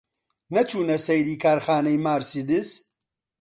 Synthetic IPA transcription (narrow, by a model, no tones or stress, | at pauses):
nɐt͡ʃʰuːnɐsɐjɾiːkʰaːɾxaːnɐjmaːɾsid̪ɪs